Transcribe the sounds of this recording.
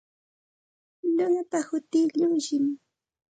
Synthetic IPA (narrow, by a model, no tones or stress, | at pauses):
ʎʊŋat̪ahʊt̪ɪʎʊŋʃɪm